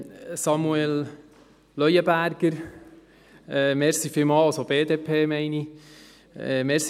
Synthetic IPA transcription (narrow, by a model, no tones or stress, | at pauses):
sɑmuel | lœjəbæɾɡ̥əɾ | ɛːmɛɾsifɪmɑːɑsobeːd̪eːpʰeːmɛɪni | ɛmɛɾs